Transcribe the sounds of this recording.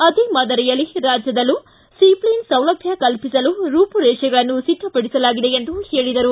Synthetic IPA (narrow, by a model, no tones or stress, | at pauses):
ɐd̪imɐd̪ɐɾijɐlːiɾaːd͡ʒjɐd̪ɐlːu | siplinsɐwlɐɡʱjɐkɐlpisɐluɾuːpuɾɛːʂɐɡɐɭɐnːusiʈ̪ːɐpɐɽisɐlaːɡid̪e̞end̪uheːɭid̪ɐɾu